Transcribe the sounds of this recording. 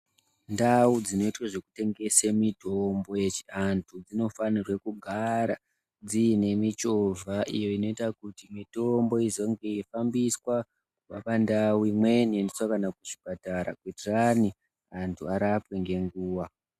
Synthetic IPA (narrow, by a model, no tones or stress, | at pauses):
ndaud͡zino̞itwaʐe̞kute̞ŋɡe̞semito̞mbo̞je̞t͡ʃi̥antʰud͡zino̞fanirwe̞kuɡʱaɾa | d͡ziine̞mit͡ʃo̞vaʔḭjo̞ino̞itakutimito̞mbo̞izo̞ŋɡe̞ifambiswa | kupapandawuimwe̞niendiswakanakuʐi̥pataɾa̰kwitirani | antʰuaɾapwe̞ŋɡe̞ŋɡuːwa